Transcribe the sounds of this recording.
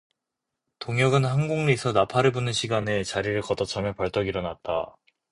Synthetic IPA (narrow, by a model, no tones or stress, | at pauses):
toŋjʌɡɯnhanɡuŋnisʰʌnapʰaɾɯbunɯnɕʰiɡanet͡ɕaɾiɾɯɭkʌdʌt͡ɕʰamjʌpʌɭt͈ʌɡiɾʌnat̚t͈a̰